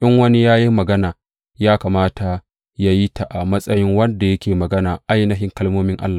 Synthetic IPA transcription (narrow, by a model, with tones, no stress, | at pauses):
ʔɪ˦ŋwɐ˦ni˦jaː˦ji˦mɐ˨ɡɐ˦naː˨ | jaː˦kaː˨maː˦ta˨ | ja˦ji˦ta˨ʔa˨mɐ˦sʼɐ˦jɪ˦ŋwɐ˦nda˨jɐ˦kʲeː˨mɐ˨ɡɐ˦naː˨ʔa˦jnɐ˦ɦɪ˦ŋkɐ˦lmoː˦mɪ˦ŋʔa̰˦lːaː˨